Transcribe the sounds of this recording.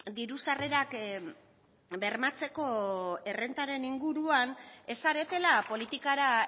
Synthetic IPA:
d̪iɾusare̞ɾak | be̞ɾmat͡se̞ko̞e̞re̞nt̪aɾe̞niŋɡuɾuane̞saɾe̞t̪e̞lapo̞lit̪ikaɾa

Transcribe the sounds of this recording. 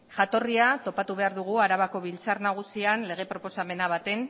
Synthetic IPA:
ʝat̪o̞riat̪o̞pat̪uβe̞aɾðuɣ̞uaɾaβako̞βilt͡sarnaɣ̞usianle̞ɣ̞e̞pɾo̞po̞same̞naβ̞at̪e̞n

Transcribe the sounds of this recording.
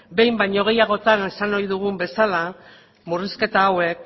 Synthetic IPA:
be̞jmbajɲo̞ɣ̞e̞jaɣ̞o̞t̪ane̞sanojðuɣumbe̞sala | muriske̞t̪aːwe̞k̚

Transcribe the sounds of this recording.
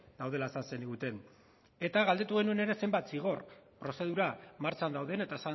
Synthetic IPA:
d̪̥awðe̞laesanse̞niɣut̪e̞n | e̞t̪aɣald̪e̞t̪uɣe̞nue̞ne̞ɾe̞se̞mbajt̪siɣ̞o̞rpɾo̞se̞ðuɾamaɾt͡ʃand̪awðe̞ne̞t̪aesa

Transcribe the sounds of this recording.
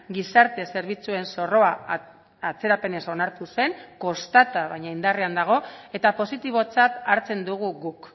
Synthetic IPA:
ɡisaɾt̪e̞se̞ɾβ̞it͡sue̞nso̞ro̞a | at͡se̞ɾape̞ne̞so̞naɾt̪use̞ŋko̞st̪at̪aβajɲaind̪areand̪aɣ̞o̞e̞t̪apo̞sit̪iβ̞o̞t͡sat̪aɾt͡se̞nd̪uɣ̞uɣuk

